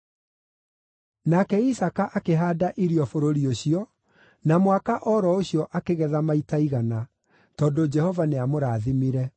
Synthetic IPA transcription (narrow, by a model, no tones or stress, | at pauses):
nakɛisakaʔakeɦaːdaʔiɾiɔfoɾoɾioɕiɔ | namwakaʔɔɾɔoɕiɔʔakeɣɛðamaitaiɣana | tɔːdod͡ʒɛhɔvaneamoɾaːðimiɾɛ